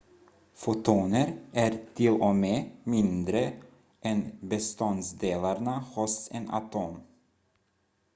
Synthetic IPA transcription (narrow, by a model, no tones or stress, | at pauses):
fʊt̪ʰuːnəɾʔæɾt̪ʰɪlɔmeːmɪnd̪ɾə | ʔɛnbɛst̪ɔnsd̪eːlaɾnahʊsɛ̰na̰t̪ʰoːm